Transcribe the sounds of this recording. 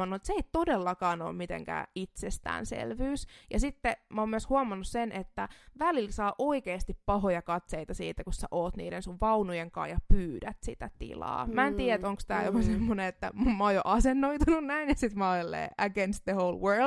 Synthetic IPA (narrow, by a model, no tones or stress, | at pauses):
ɑnːuet̪seeit̪odelːɑkɑːno̰ːmmit̪ḛŋkæ̰it̪sest̪æ̰ːnsḛlʋyːsjɑsit̪ːemoːmyøshuɑmɑnːussenʔet̪ːæʋælilsɑːʔoikeːst̪ippɑɦojɑkɑt̪seit̪ɑsḭːt̪ːækussæʔoːt̪nḭːdensuʋʋɑunujeŋkɑ̰ːjɑpyːdæt̪sḭt̪æt̪ḭlɑ̰ːmæenniːæet̪oŋkst̪æːjopɑsemːoneet̪ːæ̰mmɑojo̰ʔɑsenːoit̪ununnæinjɑsit̪mɑolelːḛːʔæɡenst̪̚ðəhoulwɜːl